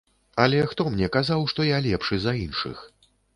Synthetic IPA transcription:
ɐlʲɛxt̪ɔmnʲɛkazawʂt̪ɔjalʲɛpʂɨzɐinʂɨ̰x

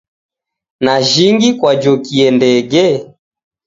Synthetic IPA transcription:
naʒiŋɡikwad͡ʒɔkiɛndɛɡɛ

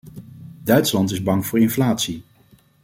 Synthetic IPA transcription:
dœɥtslɑntɪzbɑŋv̥ʊːɹɪnflaːtsi

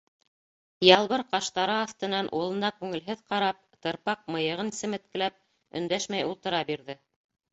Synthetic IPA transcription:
jɑlˠβɤɾqɑʃt̪ɑɾɤɑθt̪ɤ̆nɑnʔulˠɤ̆nɑkʉŋɘ̆lɦɘðqɑɾɑp̚t̪ɤ̆ɾpɑq̚mɤ̆jɤ̆ʁɤnisɘ̆mɘ̆t̪̚kɘ̆læp̚ | ɵ̆nd̪æʃmæjulˠt̪ɤ̆ɾɑbiɾðɘ

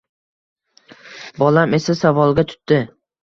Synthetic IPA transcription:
bɒlame̞sasavɒlˠɡʲat̪ʰʊ̥t̪ːɪ

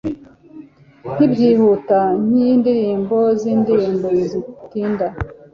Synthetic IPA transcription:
n̥ibɟiːhutan̥ijiːndiɾiːmbo̞ziːndiɾiːmbozitiːnda

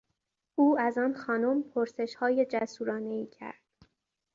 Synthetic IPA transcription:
ʔuːæzɒːnxɒːnompʰoɾse̞ʃhɒːje̞d͡ʒæsuːɾɒːne̞iːcʰæ̰ɾd̪̥

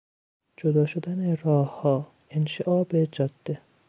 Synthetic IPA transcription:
d͡ʒod̪ɒːʃod̪ænerɒːhhɒː | enʃeʔɒːbed͡ʒɒd̪̥ːe

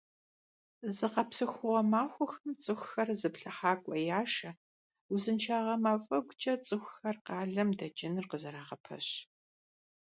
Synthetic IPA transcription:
zɨqɐpsɨxʷʊʁɐmaːxʷʊxɐmt͡sʼɨxʷxɐrzɨpɬɐħaːkʷʼɔjaːʃɐ | uzɨnt͡ʃʰaːʁɐmaːfʼɐɡʷt͡ʃʼɐt͡sʼɨxʷxɐrqɑːɮɐmdɐd͡ʒʼɪnɨrqəzɐɾaːʁɐpʰɐ̰ɕ

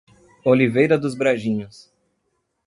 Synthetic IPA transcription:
olivejɾɐd̪ʊzbɾaʒĩɲʊs

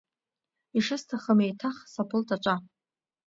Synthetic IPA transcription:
iʂɨstʰaχəmejtʰaχsapʰɨltʰʼat͡ʃʷʼa

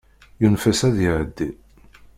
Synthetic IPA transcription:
junfæsæðiʕəd̪ːi

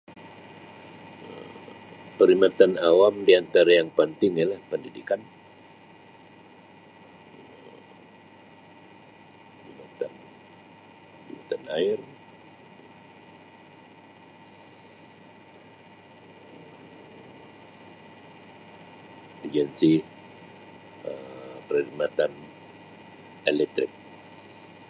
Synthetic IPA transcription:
pəɾimat̪anawamdiant̪aɾajaŋpənt̪ɪŋjalahpəndidikan | pimat̪an | imat̪anaɪr | ad͡ʒɛnsi | əpəɾədmat̪an | ɛlɛk̚t̪ɾɪk̚

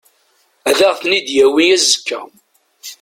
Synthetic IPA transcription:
æðæʁθnid̪jæwijæzəkːæ̰

